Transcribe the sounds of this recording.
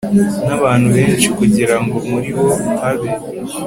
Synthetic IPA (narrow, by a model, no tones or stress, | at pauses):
naβaːn̤̥huβe̞ːnt͡ʃikuɟiɾaŋɡo̞muɾiho̞haβe